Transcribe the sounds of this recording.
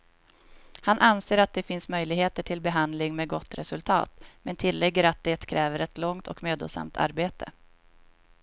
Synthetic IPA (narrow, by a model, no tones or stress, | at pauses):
hanʔanseːɾat̪̚d̪ɛfɪnsmœjlɪɡheːt̪əʈʰɪlbɛɦand̪lɪŋmeːɡɔt̪ːɾɛsɵlt̪ʰɑ̰ːt̪mɛnt̪ʰɪlːɛɡːəɾat̪̚d̪ɛt̪kʰɾɛːvəɾɛt̪lɔŋt̪ʰɔ̰kmøːd̪o̰sa̰mt̪ʰa̰ɾbeːt̪ʰə̰